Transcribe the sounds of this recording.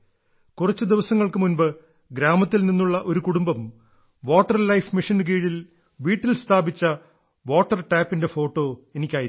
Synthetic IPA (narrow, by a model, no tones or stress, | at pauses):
kurɐt͡ɕːɨd̪iʋɐsɐŋːɐɭkɨmunbɨ | ɡɾaːmɐt̪ːilninːuɭːɐʔo̞ɾukuɽumbɐm | ʋo̞ːʈːɐrlɐjfmiʂink̬iːɻil | ʋiːʈːilst̪ʰaːbit͡ɕːɐ | ʋoːʈːɐrʈaːpːinde̞fo̞ːʈːo̞ːe̞nikʲːaːji